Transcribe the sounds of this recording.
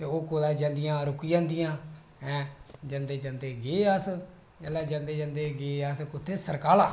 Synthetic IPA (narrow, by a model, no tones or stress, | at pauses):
t̪eːoːkoːd̪ãːd͡ʒə̃nd̪ɪjãːɾʊkijd͡ʒãːnd̪ɪjãː | ɛ̃ːd͡ʒənd̪eːd͡ʒənd̪eːɡeːəs | lːaːd͡ʒand̪eːd͡ʒə̃nd̪eːɡeːaskʊt̪ʰːeːsəɾkaːlaː